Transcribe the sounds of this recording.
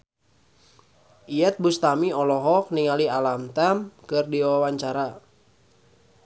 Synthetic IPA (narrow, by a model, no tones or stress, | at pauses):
iɛt̪̚bust̪amiɔlɔɦɔk̚niŋalialamt̪amkɨrdiwawaɲt͡ʃaɾa